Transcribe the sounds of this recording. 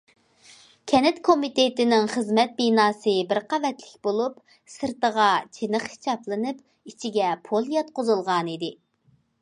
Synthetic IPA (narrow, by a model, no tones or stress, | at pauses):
kʲʰɛnɪt̪kʰomit̪et̪ɪnɪŋχəzmɛt̪̚binɑːsɨbɪɾqʰɑvɛt̪lɪkʲbolˠup | sɨɾt̪əʁɑt͡ʃʰenəχhi̥t͡ʃ̪ɑplˠɨnɨp | it͡ʃʰiɡʲɛpʰolˠjɑt̪̚qozɨlˠʁɑnid̪ɪ